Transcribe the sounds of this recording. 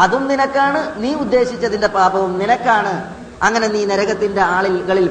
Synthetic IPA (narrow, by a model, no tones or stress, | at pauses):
ɐðumninɐkːaːɳɨniːud̪ːe̞ːɕit͡ɕːɐðinde̞paːbɐʋumninɐkːaːɳɨ | ɐŋːɐne̞niːneɾɐɣɐt̪ːinde̞aːɭilɣɐɭil